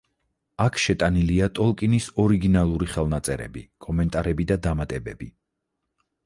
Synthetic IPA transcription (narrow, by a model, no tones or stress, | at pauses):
akʰʃɛt̪ʼaniliat̪ʼɔlˠkʼinisɔɾiɡinalˠuɾiχɛlˠnat̪sʼɛɾɛ̰bḭkʼɔmɛnt̪ʼaɾɛbid̪ad̪amat̪ʼɛbɛbi